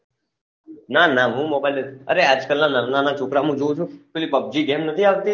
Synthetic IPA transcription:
naːnaːɦũːmobajleəɾeaːd͡ʒkəlnaːnəɾnanaːt͡ʃʰoːkɾamũd͡ʒoũt͡ʃʰũkolipəb̚d͡ʒiːɡemnət̪ʰiaːʋt̪i

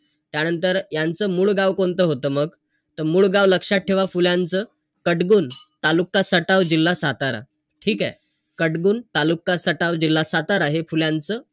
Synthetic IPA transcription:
t̪janənt̪əɾjant͡səːmuːɭɡaʋkont̪əɦot̪əːməɡ | t̪əmuːɭɡaʋləkʂaʈ̚ʈʰːeʋafuljãnt͡səː | kəʈɡuːnt̪alukːasəʈaʋd͡ʑilːasat̪aɾa̰ | ʈʰiːka | kəʈɡuːnt̪alukːasəʈaʋd͡ʑilːasat̪aɾaɦefuljant͡səː

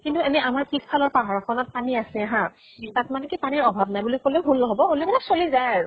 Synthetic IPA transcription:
kintuɛnɛamaɹkispʰalɔɹpaɦaɹɔkʰɔnɔt̚paniasɛaɦã | tatmanɛkipaniɹɔbʱabnajbulikolɛɦunlɔɦɔbɔoliɛbɛlaksolizajɹ

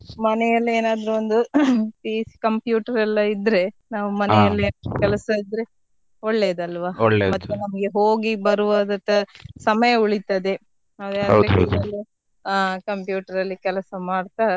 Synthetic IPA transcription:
mɐnɛjɐlːieːnaːd̪ɾuond̪upiːskɐmpjuːʈɐɾɛlːɐid̪ɾe̞ | naːʋumɐnɛjɐlːieːkɛlɐsɐid̪ɾe̞ | oɭːe̞ːd̪ɐlʋaːoɭːeːmɐt̪ːunɐmɐɡe̞ɦoːɡibɐɾuʋaːd̪ɐnt̪ɐsɐmɐjɐuɭit̪ɐd̪e̞ | aːd̪eɐɐ̰wɾd̪ɦɐd̪ɐlːi | aːkɐmpjuːʈɐɾɐlːikɛlɐsɐmaːɽt̪aː

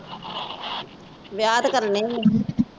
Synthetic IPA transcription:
ʋjaːd̪kəɾne

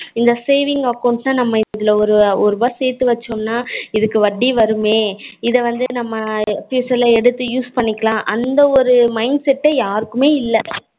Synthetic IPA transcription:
ɪnd̪ɐseːʋɪŋɡɐkːɐʊɳʈnaːnɐmːɐɪðɪlɐɔɾɯɔɾɯbɐseːt̪ːɯʋɐt͡ʃːomnaːɪðɯkːɯʋɐɖːiʋɐɾɯmeːɪðɐʋɐnd̪ɯnɐmːɐpiːsɐlɐɛɽɯt̪ːɯjuːspɐɳːɪkːɐlãːʔɐnd̪ɐɔɾɯmɐɪɳɖsɛʈːejaːɾɯkːɯmeːɪlːɛ

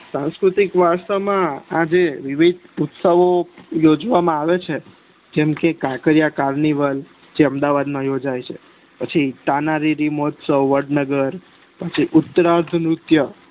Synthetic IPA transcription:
sãnskɾut̪ikʋast̪əmãad͡ʒeʋiʋid̪̚ʱut̪səʋojod͡ʒʋamãaʋet͡ʃʰe | d͡ʒɛmkekakəɾijakaɾniʋəl | d͡ʒeəmd̪aʋad̪mãjod͡ʒajt͡ʃʰe | pət͡ʃʰit̪anaɾiɾimɔt̪səwːəɖnəɡəɾ | pət͡ʃʰiʔʊt̪ːəɾaɾd̪ʱnɾʊt̪jə

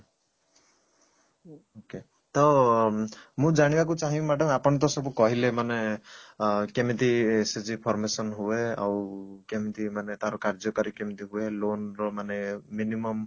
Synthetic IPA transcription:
oke | t̪ɔ | mũd͡ʒaɽ̃ibak̬ut͡ʃaɦĩmaʈʰɔmapɔɽ̃ɔt̪̬ɔsɔbukɔɦilemane | kemit̪ised͡ʒipʰɔɾmesɔnɦuea̰wkemit̪imanet̪aɾɔkaɾd͡ʒɔkɔɾikemit̪iɦuelonɾɔmaneːinimɔm

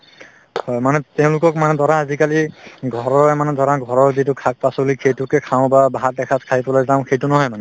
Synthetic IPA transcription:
hɔjmanɛtɛʊ̃lʊkɔkmanɛdɔɹaːzikaliɡʱɔɹɔɹɛmanɛdɔɹaɡʱɔɹɔɹzitʊkʰak̚pasɔlikʰejtʊkɛkʰaʊ̃babaɦat̚dɛkʰatkʰaipɔlajzãʊ̃xejtʊnɔɦɔjmanɛ

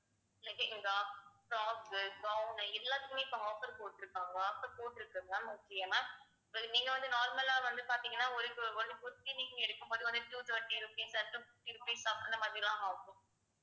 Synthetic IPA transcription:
ɪlːɐkeʔɪŋɡɐpɾaːkɯɡɐʊnɐɛlːaːt̪ːɯkːɯmeːɪpːoɦaːfɐɾpoːʈːɪɾɯkːãːŋɡɐaːfɐɾpoːʈːɪɾɯkːɯŋɡaːmʊkːɪjɐmaː | ɪpːɐniːŋɡɐʋɐnd̪ɯnaːɾmɐlaːʋɐnd̪ɯpaːɾt̪iːŋɡɐnːaːɔɾɯkːɯɔnːɯpʊɾɯt̪ːiniːŋkɯɡɐɛɽɯkːɯmpoːðɯʋɐnd̪ɯʈjuːt̪ɐːʈːiɾupiːsɐʈːɯʈːiɾupiːsaːfɐnd̪ɐmaːðɾɪlãːaːkʊ̃

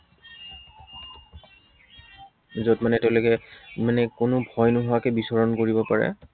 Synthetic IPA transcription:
zɔtmanɛtɛʊlokɛmanɛkʊnʊbʱɔjnʊɦɔakɛbisɔɹɔnkoɹibɔpaɹɛ̰

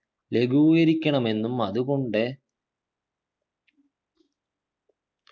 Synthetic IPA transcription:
leɡuːjɐɾikʲːɐɳɐme̞nːumɐðukoɳɖeː

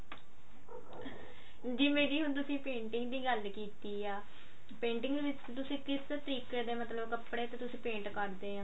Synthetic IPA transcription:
d͡ʒiːmeːɾiːɦʊnt̪̬ʊsĩːpẽːɳʈɪŋɡd̪iːɡəlkiːt̪iːaː | pẽːɳʈɪŋɡd̪eːʋɪt͡ʃt̪ʊsĩːkɪst̪əɾiːkeːd̪eːmət̪ləbkəpɽeːt̪eːt̪ʊsĩːpẽːɳʈkəɾd̪eːɦãː

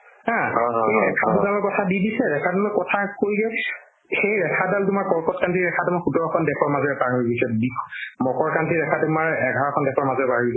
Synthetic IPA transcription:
ãejɹɛkʰabuzalɔkɔtʰadidisɛɹɛkʰatumakɔtʰakojɡɛ | xejɹɛkʰadaltumaɹkɔɹkɔtkantiɹɛkʰatumaɹxutɔɹɔkʰɔndɛkʰɔɹmazɔɹɛpaɹɔjbisɔbikʰmɔkɔɹkantidɛkʰatumaɹɛɡʱaɹakʰɔndɛkʰɔɹmazɔbaɹibɔ

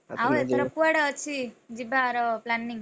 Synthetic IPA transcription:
awet̪əɾɔpuaɽaːt͡ʃʰid͡ʒibaɾɔplanːiŋ

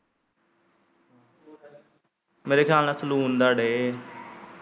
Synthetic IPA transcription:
meːɾekʰjaːlnaːsəluːnd̪aːɽeː

